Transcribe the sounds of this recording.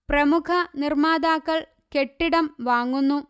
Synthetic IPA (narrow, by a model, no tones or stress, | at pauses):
prɐmukʰɐnirmaːd̪aːkːɐɭ | keʈːiɽɐmʋaːŋːunːu